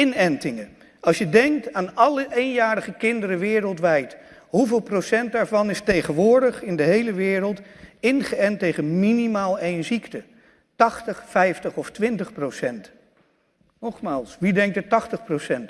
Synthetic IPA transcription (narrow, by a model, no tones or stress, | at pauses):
ɪnɛntɪŋə | ɑlˠsʃjədɛŋk̚taːnɑləʔejnjaːɾəχəkɪndəɾəʋɪːɾəlˠtʋɛjt | ɦuvɪːlˠprosɛnt̚daːɹvɑnɪstejχənʋʊːɹdəχɪndəɦejləʋɪːɾəlˠtɪnχəɛntejχənminimaːlˠejnziktə | tɑχtəχfɛjftəχɔftʋɪntəχprowsɛnt | nɔχmaːlˠsʋidɛŋk̚dətɑχtəχprowsɛnt